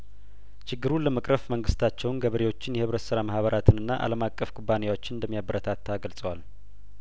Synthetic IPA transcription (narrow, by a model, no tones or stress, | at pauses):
t͡ʃʰɪɡːɨɾuləməkʼɾəfməŋɡɨst̪ʰat͡ʃːɛwʊnɡəβəɾewo̞t͡ʃːɪnjɛhɨβɾət̪səɾamahβəɾʔat̪ʰɨnɨnːaʔa̰ləmakʼːəfkʼubːanejwo̞t͡ʃːɪnɨnd̪əmːijabəɾət̪ʰat̪ʰːaɡəlsʼəwal